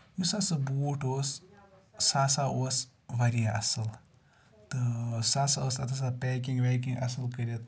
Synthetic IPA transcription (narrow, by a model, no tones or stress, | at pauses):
jusasɨbuːʈoːsː | aːsaoːs | ʋɐɾijaʔɐ̰sɨl | t̪ɨsaːsaoːsɐt̪ʰɐs̬apeːk̬iŋʋeːk̬iŋɡʔɐ̰sɨlkɐɾɐt̪̚